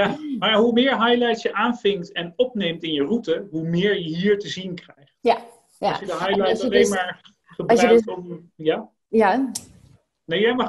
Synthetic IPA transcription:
jamajaɦumɪːɹɦɑjlɛjtsjəʔaːnvɪŋktɛnɔpnejmtɪnjərutəɦumɪːɹjəɦiːɹtəzinkrɛjχt | ɔsjədəɦɑjlajslejnmaːɹ | χəbrktɔm | ja | a | nejjɛm

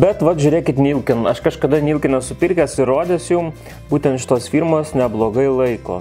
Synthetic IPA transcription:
bʲɛt̪ʋɐt̪ʒʲʊɾʲeːkʲɪt̪nʲiːlˠkʲɪnɐʃkɐʃkɐd̪ɐnʲiːlʲˠkʲɪnʲɛsʊpʲɪɾʲkʲɛsɪɾoːd̪ʲɛsjum | b̥uːt̪ʲɛnt̪ʃʲɪ̥t̪oːsfʲiːɾmoːsnʲɛblˠoːɡɐɪlˠɐɪko̰ː

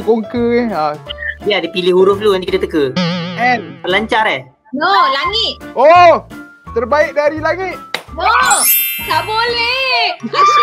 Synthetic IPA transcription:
koŋkəɛajadipilihɦuɾʊfluant̪ikit̪at̪əkəɛnpəlaɲt͡ʃaɾɛh | nolaŋɪt̪̚o | t̪ərbaɪk̚daɾilaŋit̪̚o | t̪abolɛ

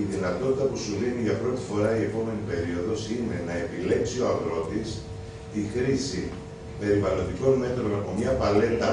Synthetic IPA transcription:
iðinɐt̪o̞t̪it̪ɐpusuliniʝɐpɾo̞t̪i̥fo̞ɾɐie̞po̞me̞nipe̞ɾio̞ðo̞sine̞nɐe̞pile̞ksio̞ɐvɾo̞t̪is | t̪ixɾisi | pe̞ɾivɐlo̞nd̪iko̞nme̞t̪ɾo̞nɐpo̞mɲɐpɐle̞t̪ɐ

